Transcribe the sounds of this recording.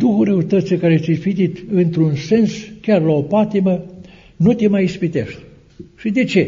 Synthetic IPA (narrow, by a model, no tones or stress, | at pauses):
d̪uxuɾəut̪ət̪sekaɾesifit̪it̪ɨnt̪ɾunse̞nskʲarlao̞pat̪imə | nut̪emajispit̪ḛʃt̪ | ʃid̪e̞t͡ʃe̞